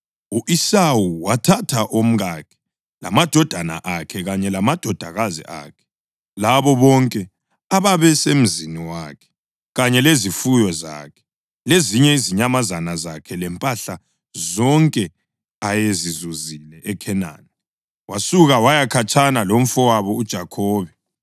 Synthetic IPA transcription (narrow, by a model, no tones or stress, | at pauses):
uʔisawuwatʰatʰaʔom̩ɣakʰɛ̥ | la̰mad̥ʱɔd̥ʱana̰ʔakʰɛɣaɲɛlamad̥ʱɔd̥ʱaɣazḭʔa̰ːkʰɛ̥ | laβɔβɔŋkʼɛ | aβaβɛsem̩ziniwaːkʰɛ̥ | ɣaɲɛlezifujɔza̰ːkʰɛ̥ | leziɲɛiziɲamazanazakʰɛlɛmpʼaɬa | zɔŋkʼɛ | ajezizuzilɛʔɛkʰɛna̰ːni | wasuɣawajakʰat͡ʃʰʼanalom̩fɔwaβɔud̥ʒ̥ʱakʰɔːβɛ